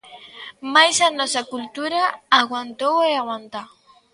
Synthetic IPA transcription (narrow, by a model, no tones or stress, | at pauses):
majsanɔsakult̪uɾaːɣwant̪oweaɣwant̪a